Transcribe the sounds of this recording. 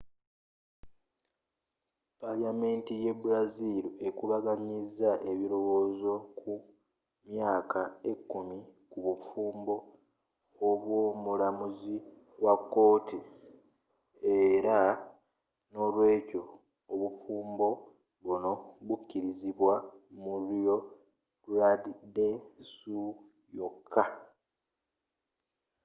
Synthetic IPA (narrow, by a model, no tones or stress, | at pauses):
paljame̞ːntije̞buɾazilie̞kuβaɡaɲizːaʔe̞βiɾo̞wo̞ːzo̞kʰu | mjaːkae̞kːumikuβufuːmbo̞ː | βwo̞ːmulamuzi | wakːo̞ːti | e̞ɾa | no̞lwe̞ːco̞ː | βufuːmbo̞ | βuno̞βucːiɾiziβwamuɾjo̞ | ɾadidesu | jo̞kʰːa